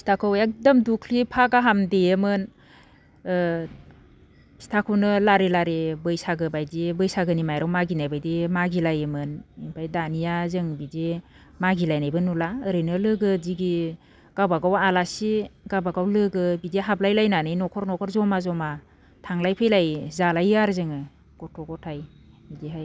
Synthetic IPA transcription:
si̥tʰakʰɯwjak̚dɯmdukʰlipʰaɡaɦamdejɯmɯn | si̥tʰakʰɯwnɯlaɾelaɾebɯjsaɡɯbajdibɯjsaɡɯnimajɾawmaɡinajbajdimaɡilajɯmɯnipʰajdanijazɯŋbide | maɡilajnajbɯnulaəɾɯnɯlɯɡɯdiɡi | ɡ̥abaɡawalasiɡabaɡawlɯɡɯbideɦaplajlajnanɯjnɔkʰɔɾnɔkʰɔɾzɔmazɔma | tʰaŋlajpʰɯjlajzalajaɾzɯŋɯ | ɡ̥ɔtʰɔɡɔtʰaj | bidiɦaj

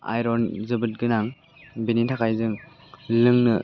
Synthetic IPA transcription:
a̰jɾɔnzɯbɯt̚ɡɯnaŋ | binintʰakʰajzɯŋ | lɯŋnɯ

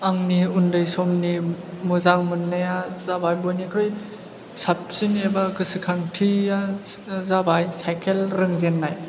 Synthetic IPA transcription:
aŋniundɯjsɔmnimɯzaŋmɯnːɯjazabajbojnikʰɾɯj | sap̚sinebaɡɯsɯkʰaŋtʰiazabajsajkʰelɾɯŋzenːaj

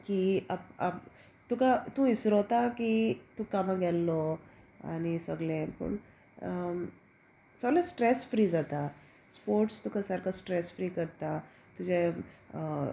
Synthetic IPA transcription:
kiapa | t̪ukat̪ũisɾɔt̪akit̪ukamãɡɛlːɔ | a̰ñisəɡlẽpə̰ɳ | səɡlɛ̃sʈɾesfɾiːd͡zat̪a | spoɾʈst̪ukasaɾkʰasʈɾesfɾikəɾt̪a | t̪ud͡ʑe

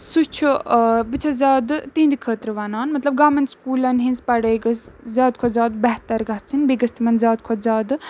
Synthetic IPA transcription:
sut͡ʃʰubɨt͡ʃʰɐzʲaːd̪t̪iːnd̪ikʰəːt̪ɾɨʋaːnaːnmɐt̪lɐb̚ɡaːmɐnskuːlɐnɦinzpɐɽəːɡɐszʲaːd̪kʰozʲaːd̪bɛɦt̪ɐɾɡɐt͡sʰinbiɡɐst̪ʰimɐnzʲaːd̪̚kʰozaːd̪

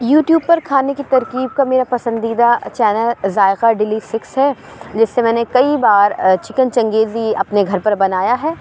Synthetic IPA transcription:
juːʈjuːb̚pɐɾkʰaːnekit̪ɐɾkiːb̚kameːɾapɐsə̃nd̪iːd̪at͡ʃɛːnəlzaːɪqaɖɪliːsɪksɦɛ | d͡ʒɪsːemɛ̃ːnekɐibaːɾt͡ʃɪkənt͡ʃɐ̃ŋɡeːziɐpneɡʱɐɾpɐɾbɐnaːjaɦɛː

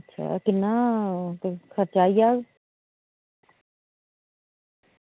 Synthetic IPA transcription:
tːʃʰa̰ːkɪnːãːt̪ekʰəɾt͡ʃaːiːaːɡ

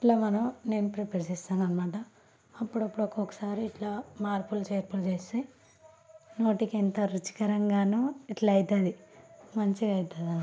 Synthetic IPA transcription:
iʈlaːmɐnɐmne̞ːnupɾepeɾsist̪aːnɡɐnmaːʈɐː | pːuɽɐpːuɽokːɔkːɐ̥saːɾiːʈlamaːɾpult͡ʃeːɾpult͡ʃeːsi | no̞ːʈikent̪ɐɾut͡ʃi̥kɐɾɐŋɡaːnoiʈlaɐjt̪ɐd̪imɐɲt͡ʃiɐjt̪ːɐd̪ɐn

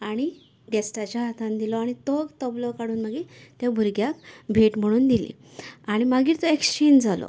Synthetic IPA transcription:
aɽ̃i | ɡesʈat͡ɕjaɦat̪ʰãnd̪ilɔaɽ̃it̪ɔɡt̪əblɔkaɽuːnməɡiːt̪jabʱuɾɡjakbʱeʈm̤əɽ̃uːnd̪ilḭ | aɽ̃imaɡiːɾt̪ɔekst͡ɕend͡zalɔ̰

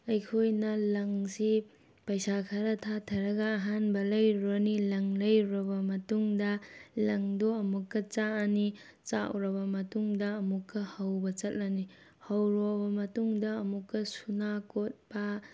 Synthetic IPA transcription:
ɐjkʰojnɐlɐŋsi | pɐjsakʰɐɾɐtʰatʰɐɾɐɡɐːɦanbɐlɐjɾonilɐŋlɐjɾɐbɐmɐtuŋdɐlɐŋdoɐmukːɐt͡ʃani | t͡ʃa̰wɾɐbɐmɐtuŋdɐːmukːɐhɐwbɐt͡ʃɐt̚lɐni | hɐwɾobɐmɐtuŋdɐːmukːɐsunakot̚b̥ɐ

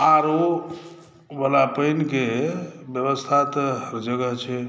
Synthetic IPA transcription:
aɾo | bəlapəjnkebjəβəst̪ʰat̪əɦəɾd͡ʒəɡəɦt͡ʃʰɛ

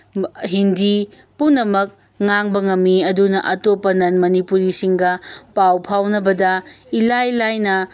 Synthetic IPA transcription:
ɦindi | punːɐmɐk̚ | ŋaŋbɐŋɐmːiɐdunɐʔɐtopːɐnɐnmɐnipuɾisiŋɡɐpawpʰawnɐbɐdɐilajlajnɐ

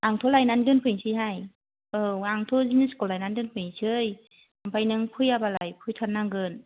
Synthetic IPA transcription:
ʔaŋtʰolajnandɯnpʰɯjŋsʰɯjɦaj | ɯaŋtʰoziniskɔlajnandɯnpʰɯŋsʰɯj | ampʰajnɯŋpʰɯjabalajpʰɯjtʰɔnːaŋɡɯn

